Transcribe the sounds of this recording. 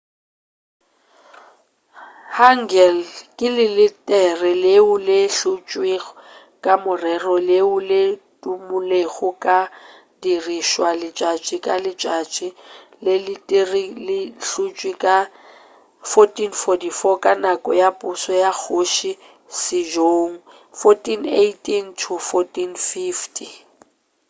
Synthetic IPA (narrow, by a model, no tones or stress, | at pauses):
haŋ̩ɡɛlkʼɪlɪlɪtʼɛrɪleʊlɪɬʊt͡ʃʼwɪ | kʼamʊrɛrɔleʊletʼumʊleɣʊkʼa | diriʃwalɪt͡ʃʼat͡ʃʼɪkʼalɪt͡ʃʼat͡ʃʼɪ | lɪlɪtʼirilɪɬut͡ʃʼwikʼa | fɔtʼinfɔdifɔkʼanakʼɔjapʼʊsɔjak͡xʰoʃi | sɪd͡ʒoŋ̩ | fɔtʼinetʼintʰʊfɔtʼinfiftʰʼi